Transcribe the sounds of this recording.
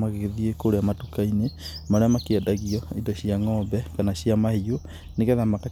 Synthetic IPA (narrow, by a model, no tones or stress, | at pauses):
maɣeɣeðiekoɾeamatukainemaɾeamakiadaɣiɔidɔɕiaŋɔbɛkanaɕiamaio | neɣɛðamaka